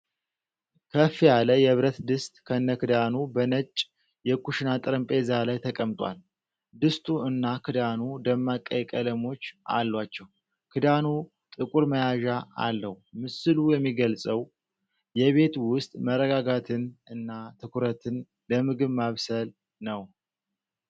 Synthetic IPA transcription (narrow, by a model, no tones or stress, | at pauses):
kʰəfijaləjɛβɾət̪d̪ɨst̪ʼkʰəɨnːəkʰɨd̪anubənət͡ʃʼ | jɛkʰuʃnat̪ʼɨɾɨmpʼe̞zalajt̪ʰəkʼəmt̪ʼwa̰l | d̪ɨst̪ʼuɨnːakʰɨd̪anud̪əmːakʼːəjkʼələmo̞t͡ʃːʔa̰lːwat͡ʃːɛw | kʰɨd̪anu | t̪ʼɨkʼuɾməjaʒaa̰lːəhmɨsɨlujɛmːiɡəlsʼəw | jɛβe̞t̪wʊst̪ʼmərːəɡaɡat̪ʰɨnɨnːat̪ʰɨkʰuɾət̪ʰɨn | ləmɨɡɨβmaβsəl | nəw